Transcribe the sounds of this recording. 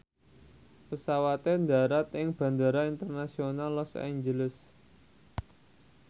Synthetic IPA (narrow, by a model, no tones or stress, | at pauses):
pəsawat̪end̪a̤ɾat̪ɪŋb̥ä̤nd̪aɾaint̪ərnasionalːɔsa̰iɲd͡ʒələs